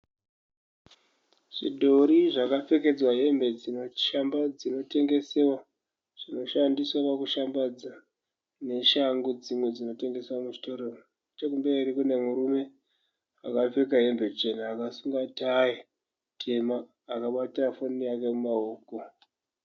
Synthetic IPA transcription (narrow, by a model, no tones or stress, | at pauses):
ʐḭdʱoɾiʐakap͡fe̞ke̞d͡zwaɦe̞mbe̞d͡zino̞ʃambad͡zino̞te̞ŋɡe̞se̞wa | ʐ̥ino̞ʃandiswapakuʃambad͡za | ne̞ʃaŋɡud͡zimwe̞d͡zino̞te̞ŋɡe̞swamuʐito̞ɾero | t͡ʃekumbe̞ɾikune̞muɾume̞ | akap͡fekaɦe̞mbe̞t͡ʃe̞naːkasuŋɡataji | tʰe̞maː | kaɓatiafonijakemumaoːko